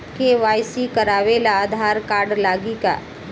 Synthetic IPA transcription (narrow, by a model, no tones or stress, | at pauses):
keʋaːjsikəɾaːʋelaːd̪ʱaːɾkaːɾɖlaːɡika̰ː